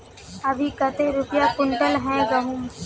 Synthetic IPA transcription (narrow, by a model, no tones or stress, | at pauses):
ɐbʱikɐt̪eɾʊpjakʊɳʈəlɦɛ̃ɡɐɦũːm